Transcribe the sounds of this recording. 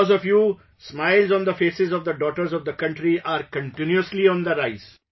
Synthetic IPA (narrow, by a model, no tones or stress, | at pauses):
zɔfjuː | smaɪlzɔ̃ːnd̪əfeːsɪzɔʋd̪əɖɔːʈəɾzɔʋd̪əkʌ̃ɳʈɾiʔaːɾkə̃ɳʈɪ̃njuəsliɔ̃ːnd̪əɾaɪz̥